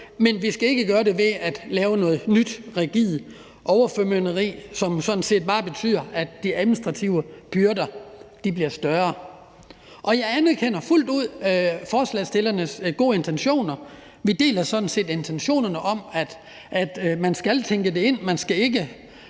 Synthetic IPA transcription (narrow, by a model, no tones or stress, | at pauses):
menʋisɡ̥æe̝ɡ̥əɡ̥ɶːɐɾe̝ʋe̝æd̥lɛːʊənɔ̽ːð̩ˠnyd̥ʁɛɡ̥ið̩ˠ | ʔɒʊɐfømønəʁḭːsɒ̽msɒ̽d̥n̩se̝̰ːd̥̚b̥ɑ̈ːb̥e̝t͡sʰy̰ð̰ˠɐæd̥d̥iæðˠminisd̥ʁɑ̈t͡sʰiʊəb̥yɐdɐd̥ibliɐsd̥ɶɐ | ʔɒ̽jɑ̈ɪænæɐkʰen̰ɐful̰d̥uð̞̰ˠfɒːslɛ̰sd̥e̝lɐnəsɡ̥o̝̰ːe̝nt͡sʰenɕo̝̰ːnɐ | ʋid̥e̝̰ːlɐsɒ̽d̥n̩se̝̰ːd̥e̝nt͡sʰenɕo̝̰ːnɐnəʔɒ̽mæd̥ | ʔæd̥mænsɡ̥ælt͡sʰeŋɡ̥əde̝e̝n̰mænsɡ̥æe̝ɡ̥ə